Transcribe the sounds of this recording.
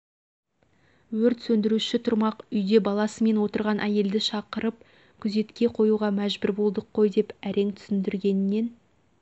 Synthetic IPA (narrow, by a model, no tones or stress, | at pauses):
wɵɾt̪sɵnd̪ɪɾuʃɪt̪ʰʊɾmɑqʏjd̪e̞bɑlˠɑsəme̞nwo̞t̪əɾʁɑnʔæje̞ld̪ɪʃɑqəɾəp̚ | kʲʰʏze̞t̪kʲe̞qʰo̞juʁɑmæʒbʏɾbo̞lˠd̪əqʰːo̞jd̪e̞pæɾe̞ŋt̪ʰʏ̥sɪnd̪ɪɾɡʲe̞nɪnːe̞n